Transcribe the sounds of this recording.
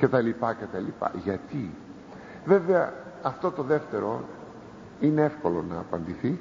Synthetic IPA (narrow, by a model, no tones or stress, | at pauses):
ce̞t̪ɐlipɐce̞t̪ɐlipɐ̰ʝɐt̪i | ve̞veɐ | ɐft̪o̞t̪o̞ðe̞ft̪e̞ɾo̞ | ineefko̞lo̞nɐːpɐnd̪iθi